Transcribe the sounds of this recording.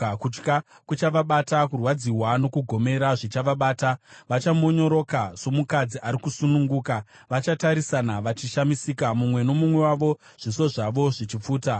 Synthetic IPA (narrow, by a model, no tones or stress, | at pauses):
kut͡ʃka | kut͡ʃaʋaɓatakurwad͡ziɦwano̞kuɡʱo̞me̞ɾaʐit͡ʃaʋaɓaːtaʋat͡ʃamo̞ɲo̞ɾo̞kaso̞mukad͡ziʔaɾikusunuŋɡuːka | ʋat͡ʃataɾisanaʋat͡ʃiʃamisiːkamumwe̞no̞mumwe̞waʋo̞ | ʐ̥iso̞ʐaʋo̞ʐet͡ʃip͡fuːta